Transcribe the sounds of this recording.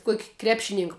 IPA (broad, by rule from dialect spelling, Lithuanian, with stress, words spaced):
ˈkuɔkʲ ˈkrʲæːpʲʃʲɪnʲɪŋk